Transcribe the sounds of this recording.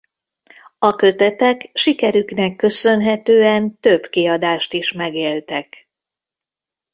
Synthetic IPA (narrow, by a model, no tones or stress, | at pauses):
ɒkø̞t̪ɛt̪ɛkʃikɛɾyknɛkːø̞sø̞nɦɛt̪øːɛnt̪ø̞bkiɒd̪aːʃt̪iʃmɛɡeːlt̪ɛk